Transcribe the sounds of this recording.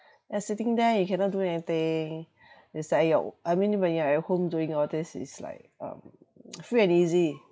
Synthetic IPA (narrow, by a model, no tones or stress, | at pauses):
jasitɪ̃ŋdɛjukʰɛ̃nɔt̚duɛnit̪ɪ̃ŋ | ɛslaja̰ʔajmĩnibaĩŋaɛhõmduĩŋɔtisɪ̰sla̰ɪk̚ʌ̰̃m | fɹiɛ̃nizi